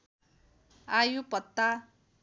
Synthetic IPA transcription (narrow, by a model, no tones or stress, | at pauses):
ajupʌt̪ːa